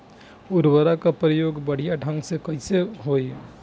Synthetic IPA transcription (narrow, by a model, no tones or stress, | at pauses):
uɾbəɾakapɾəjoɡbəɽ̤ijaɖʱə̃ŋɡsekəɪseɦoj